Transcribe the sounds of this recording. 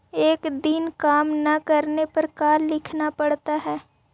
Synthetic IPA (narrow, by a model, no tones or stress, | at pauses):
eːkd̪inkaːmnɐkɐɾnepɐɾkaːllɪkʰnapɐɽt̪aɦɛː